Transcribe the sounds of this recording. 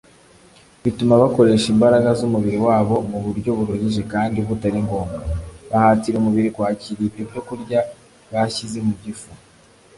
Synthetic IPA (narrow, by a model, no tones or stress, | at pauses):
βitumaβako̞ɾe̞ʃimbaɾaɡazumuβiɾiwaːβo̞muβuɾɟo̞βuɾuɟiʒe̞kaːndiβutaɾiŋɡo̞ːmɡaβahaːtiɾumuβiɾikwaːciɾiβibjo̞kuɾɟa | βaçizemuɟifu